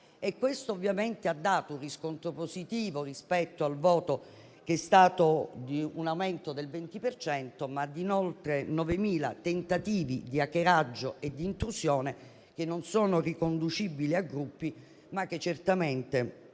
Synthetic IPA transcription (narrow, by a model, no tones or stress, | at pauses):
ekːwest̪oːvːjament̪ead̪ːaːt̪ouriskont̪ɾoposit̪iːvorispɛt̪ːoalvɔːt̪o | k̟eɛst̪aːt̪od̪iunawment̪od̪elvent̪ipert͡ʃɛnt̪omad̪inolt̪ɾenɔvemiːla̰t̪ent̪at̪iːvḭd̪iakeɾad͡ʒːoʔed̪ːiːnt̪ɾusjoːne | k̟enːonsoːnorikond̪ut͡ʃibiliaɡɾupːi | mak̟ːet͡ʃːert̪ament̪e